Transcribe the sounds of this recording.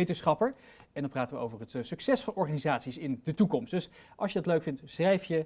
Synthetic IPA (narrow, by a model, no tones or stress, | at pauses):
ejtənsχɑpəɹ | ɛndɑnpraːtənʋəo̰wvərɦətsɵksɛsfɑnɔɹχaːnizaːtsisɪndətukɔmstd̥ɵs | ʔɑlˠsjədɑtløɥkfɪntsrɛjfjə